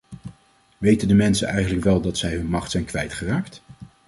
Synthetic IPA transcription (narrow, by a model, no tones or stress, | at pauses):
ʋejtəndəmɛnsənɛjχənləkʋɛlˠdɑtsɛjɦɵnmɑχtsɛjnkʋɛjtχəraːkt